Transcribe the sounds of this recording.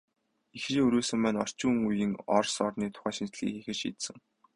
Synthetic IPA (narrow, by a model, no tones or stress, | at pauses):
ixriːŋɵɾuːsɘ̆mpæːnɔr̥t͡ɕuːŋujɘ̆ŋɔrsɔrniːt̪ʰʊ̥χæːʃint͡ɕɮḭːkxixɘ̆ʃḭːt̪sɘ̆ŋ